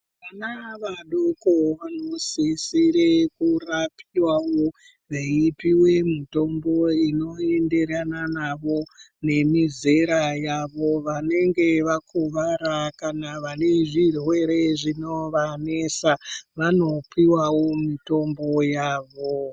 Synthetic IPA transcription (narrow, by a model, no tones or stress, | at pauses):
ʋanaʋaɗokoʋanosisiɾekurapʰiwawo | ʋeipiwe̞mito̞mbo̞ino̞e̞nde̞ɾananaʋo̞ne̞mize̞ɾajaʋo̞ʋane̞ŋɡe̞ʋakʰuʋaɾakanaʋane̞ʐirwe̞ɾe̞ʐino̞ʋane̞saʋano̞piwawo̞mito̞mbo̞jaːʋo̞